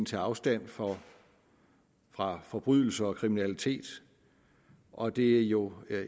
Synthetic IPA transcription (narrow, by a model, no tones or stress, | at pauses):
n̩t͡sʰe̝ɑ̈ʊsd̥æn̰fɒ | fʁɑ̈fɒ̽b̥ʁyð̰ˠl̩səɒ̽kʰʁiminælit͡sʰe̝̰ːd̥ | ʔɒ̽d̥e̝æjo̝